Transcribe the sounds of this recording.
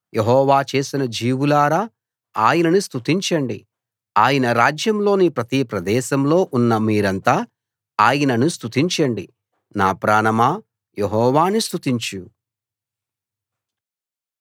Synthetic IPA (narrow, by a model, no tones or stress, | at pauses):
jʔeɦɔːʋaːt͡ʃe̞ːsinɐd͡ʒiːʋulaːɾaː | aːjɐnɐnist̪ut̪iɲt͡ʃɐɳɖḭ | aːjɐnɐɾaːd͡ʒjɐmlo̞ːnipɾɐt̪ipɾɐd̪ɛːʃɐmlo̞ːʔunːɐmiːɾɐnt̪aː | aːjɐnɐnust̪ut̪iɲt͡ʃɐɳɖi | naːpɾaːnɐmaː | jeɦɔːʋaːnist̪ut̪iɲt͡ʃu